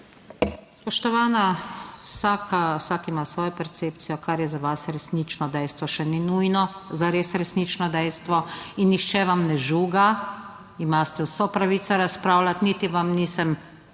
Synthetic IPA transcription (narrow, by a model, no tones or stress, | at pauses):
spɔʃt̪ɔʋaːnawsaːkawsaːkimasʋɔːjɔpɛɾt̪seːp̚t̪sijɔkaɾjɛzaʋasɾɛsniːt͡ʃnɔd̪ɛjst̪ʋɔʃɛninujnɔzaɾeːsɾɛsniːt͡ʃnɔd̪ɛjst̪ʋɔinːixt͡ʃɛʋamnɛʒuːɡa | imaːst̪ɛwsɔpɾaʋiːt̪saɾaspɾaːwlʲat̪nit̪iʋamniːsɛm